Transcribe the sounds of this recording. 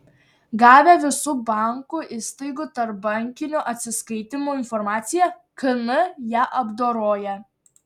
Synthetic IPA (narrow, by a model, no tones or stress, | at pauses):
ɡɑːʋʲɛʋʲɪsuːbɑˑŋkuːʔɪst̪ɐɪɡʊt̪ɐɾp̚bɐŋʲkʲɪnʲoʔɐt̪ʲsʲɪskɐɪt̪ʲɪmuːɪnfɔɾmɑːt̪sʲɪjɛ | kɐnɐjæːʔɐbd̪oːɾoːjɛ